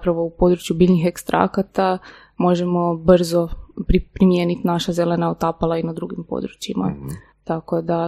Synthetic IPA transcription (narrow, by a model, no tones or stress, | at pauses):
pɾaʋo̞upo̞d̪ɾut͡ʃjubiːʎʲnixe̞kst̪ɾʔa̰kat̪a | mo̞ʒe̞mo̞br̩zopɾipɾimje̞ːnit̪naʃaze̞le̞naot̪apalˠainad̪ɾuɡimpo̞̰d̪ɾut͡ɕima̰ | t̪ako̞d̪a